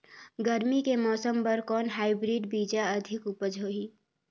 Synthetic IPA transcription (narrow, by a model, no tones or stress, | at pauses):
ɡəɾmikemɔːsəmbəɾkɔːnɦaːɪbɾiːɖbiːd͡ʒaɐd̪ʱɪkʊpəd͡ʒoːɦiː